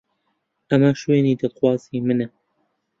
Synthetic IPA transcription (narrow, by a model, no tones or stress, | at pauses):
ʔɐmaʃweːniːd̪at̪xwɑːziːmɨnɛ